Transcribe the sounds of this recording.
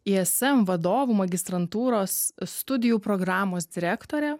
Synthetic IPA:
iɛsɛmʋɐd̪oːʋuːmɐɡʲɪst̪ɾɐnt̪uːɾoːst̪ʊd̪ʲɪjuːpɾoːɡɾɑːmoːsd̪ʲɪɾʲækt̪oːɾʲɛ

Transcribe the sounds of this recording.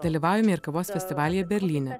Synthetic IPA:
d̪ɐlʲiːʋɑːʊjʲɛmʲɪɪɾkɐʋoːsfʲɛsʲt̪ʲɪʋɑːlʲɪjɛbʲɛɾʲlʲiːnʲɛ

